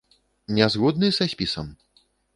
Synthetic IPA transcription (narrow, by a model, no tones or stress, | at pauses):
nʲazɣɔd̪nɨsasʲpʲisɐm